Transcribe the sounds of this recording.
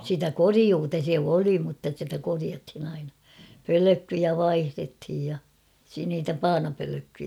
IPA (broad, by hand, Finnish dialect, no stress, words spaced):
sitæ koriuːtɑ se oli mutːɑ sitæ koriɑthin ɑinɑ pøløkːyjæ ʋɑihrethij jɑ si niːtæ pɑːnɑpøløkːyjæ